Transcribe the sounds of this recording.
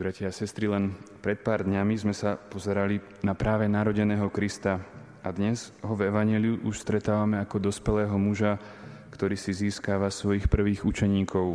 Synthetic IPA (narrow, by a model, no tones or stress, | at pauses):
bɾacaasɛst̪ɾilɛnpɾɛt̪̚paːɾd̪ɲamizmɛsapɔzɛɾali | napɾaːʋɛnaɾɔɟɛnɛːɦɔkɾist̪a | ad̪ɲɛzɦɔvɛʋaɲɪɛliuʔuʃst̪ɾɛt̪aːʋamɛakɔd̪ɔspɛlɛːɦɔmuʒa | kt̪ɔɾiːsiziːskaːʋasʋɔjixpr̩ʋiːɣut͡ʃɛɲiːkʰɔʊ